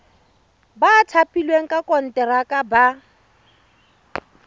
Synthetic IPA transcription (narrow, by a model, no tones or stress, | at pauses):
baːtʰapʰʼilweŋ̩kʼakʼɔn̩tʼɛɾakʼaba